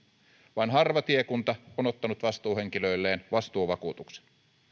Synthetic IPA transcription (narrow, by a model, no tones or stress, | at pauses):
ʋɑnɦɑrʋɑt̪iekunt̪ɑonot̪ːɑnut̪ʋɑst̪uːhe̞ŋkilø̞ilːeːnʋɑst̪uːʋɑkuːt̪ukse̥n